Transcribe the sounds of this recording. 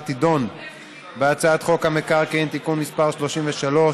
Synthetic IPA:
t̪id̪o̞n | beat͡saat̪χo̞khamekaʁkeint̪ikunmispaʁʃlo̞ʃimveʃalo̞

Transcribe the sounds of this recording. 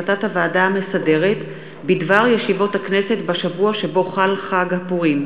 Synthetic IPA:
tathavaːdaame̞sade̞ʁe̞t | bidvaʁjeʃivo̞thaknese̞tbaʃavuaʃe̞bo̞χalχaɡhapuʁim

